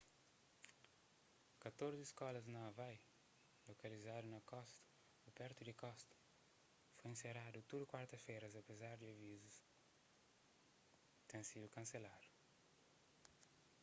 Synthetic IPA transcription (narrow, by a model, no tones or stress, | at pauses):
kɐt̪oɾzɪiskɔlɐznɐɐvaj | lokɐlizad̪unɐkɔst̪ɐ̥ | upɛɾt̪ʊd̪ɪkɔst̪ɐ̥ | fojẽseɾad̪ʊt̪uɾɪkwaɾt̪ɐsfejɾɐzɐpezaɾd̪ɪɐvizʊs | t̪ẽsid̪ʊkɐ̃selad̪ʊ